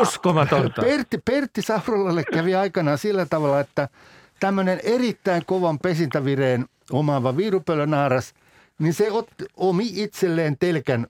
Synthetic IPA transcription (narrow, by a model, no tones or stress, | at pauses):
uskomɑt̪ont̪ɑpert̪ːipert̪ːisɑurɑlːɑlːekkæʋiɑikɑnɑːsilːæt̪ɑʋɑlːˑɑet̪ːæ | t̪æmːønenerit̪ːæiŋkoʋɑmpesint̪æʋireːn | omɑʋɑʋiːrupølːønɑːrɑs | ninseot̪ːiomiit̪selːeːnt̪elkæn